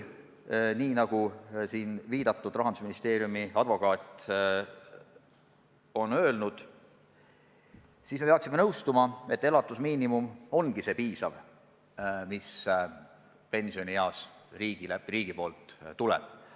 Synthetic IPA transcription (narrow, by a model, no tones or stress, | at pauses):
niːnɑɡ̥usiːnviːd̪̥ɑt̪ːˑud̪rɑɦɑnd̪usminist̪e̞ːɾjumiɑd̪vo̞kɑːt̪ːˑ | o̞nø̞ːlnud̪̥ | siːsme̞peɑksimenɤwst̪umɑe̞t̪ːelɑt̪ːˑusmiːnimumo̞nɡ̥ise̞ːpiːsɑv | mis | pe̞nʲsio̞nijɑːsriːɡ̥ileriːɡ̥ipo̞ːlt̪t̪ːulɛ̰b̥̚